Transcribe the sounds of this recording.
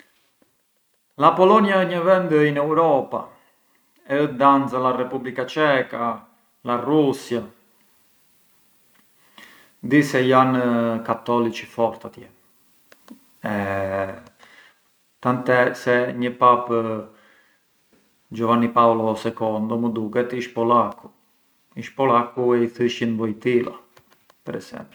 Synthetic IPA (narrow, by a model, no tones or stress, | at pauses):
lapɔlɔnjaɛɲəvɛnd̪əinɛwɾɔpa | ɛəd̪ant͡salarɛpublikat͡ʃɛka | larusja | d̪isɛjankat̪ɔlit͡ʃi̥fɔɾt̪at̪jɛ | ɛ | t̪ant̪ɛsɛɲəpap | d͡ʒɔvanipaɔlɔsɛkɔnd̪ɔməd̪ukɛt̪iʃpɔlaku | iʃpɔlakuɛiθiʃinbɔjt̪ila̰ | pɛɾɛ̰sɛ̰mpl